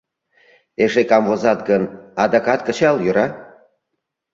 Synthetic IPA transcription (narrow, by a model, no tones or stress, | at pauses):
eʃekɑmvozɑt̪̚ɡənɑd̪ɑkɑt̪kə̆t͡ɕɑljøɾɑ